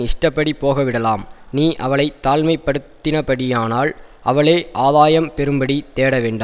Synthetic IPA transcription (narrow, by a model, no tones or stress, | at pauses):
ɪʂʈɐpːɐɽipːoːɣɐʋɪɽɐlaːmniːʔɐʋɐɭɐɪt̪ːaːlmɐɪpːɐɽɯt̪ːɪnɐpɐɽɪjaːnaːl | ʔɐʋɐɭeːʔaːðaːjɐmpɛɾɯmbɐɽit̪eːɽɐʋeːɳɖɯ